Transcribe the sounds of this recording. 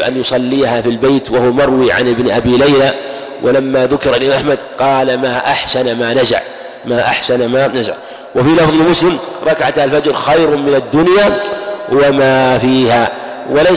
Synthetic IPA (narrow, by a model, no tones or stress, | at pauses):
ʔa̰njʊsˤɑlːiːhafilbejt̪wahʊwamɑɾˤwiːʕa̰nʔɪbnʔabiːlajla | wʔɪ̰lamːaðʊkɪɾaliʔaħmad̪qɑːlamaːʔaħsanmaːnaza̰ʕ | maːʔaħsanmanaza̰ʕ | wɪfilɑfðˤɪlmʊslɪmɾˤɑkʕat̪halfad͡ʒɾxajɾmɪnad̪ːʊnjaːwamaːfiːha | wala